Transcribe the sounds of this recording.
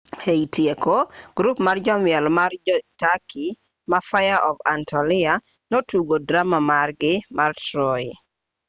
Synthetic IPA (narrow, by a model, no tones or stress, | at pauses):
heitʰjekoɡ̥ɾupmard͡ʒɔmjɛlmard͡ʒɔtakʰi | mafajaʔɔva̰ntʰɔlɪa | notuɡodɾamamarɡɪmartɾɔ